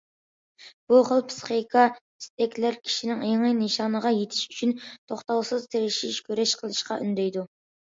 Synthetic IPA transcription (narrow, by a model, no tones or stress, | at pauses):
b̥uχəlˠpʰsɨ̥χijkʰɑ | i̥st̪ɛkʲlæɾkʲʰi̥ʃinɪŋeŋɨneʃɑnəʁɑjet̪ʰɪʃyt͡ʃʰynt̪ʰoχt̪ɑwsɨzt̪ʰeɾɪʃiʃkʲøɾɛʃqʰəlˠɨʃqɑʔy̰nd̪ɛjd̪u